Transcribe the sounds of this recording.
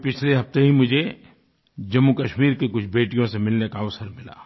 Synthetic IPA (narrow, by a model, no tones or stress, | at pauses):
pɪt͡ʃʰleɦɐft̪eɦimʊd͡ʒʱe | d͡ʒɐmːukɐʃmiːɾkekʊt͡ʃʰbeːʈijõsemɪlnekaəʋsəɾmɪla̰ː